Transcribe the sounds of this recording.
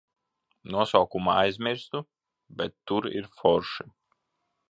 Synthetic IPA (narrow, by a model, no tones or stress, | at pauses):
nuɔsawkumaajzʲmʲiɾst̪u | bʲɛt̪ːuɾḭɾfɔɾʃi